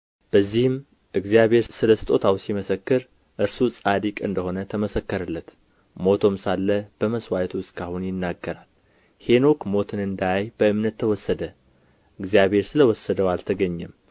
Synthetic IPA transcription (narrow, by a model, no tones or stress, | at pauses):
b̥əzːihɨm | ʔɨɡzijaβe̞ɾsɨləsɨ̥t̪ʼot̪ʰawsiməsəkːɨɾ | ʔɨɾsusʼad̪ikʼɨ̰nd̪əho̞nət̪ʰəməsəkːəɾɨlːət̪ | mo̞t̪ʰo̞msalːəb̥əməswajt̪ʰuɨskʰahunjɪnːaɡːəɾal | he̞no̞kmo̞t̪ʰɨnɨnd̪aajb̥əɨmnət̪ʰːəwɔsːəd̪ə | ʔɨɡzijaβhe̞ɾsɨləwɔsːəd̪əwalt̪ʰəɡəɲːɛm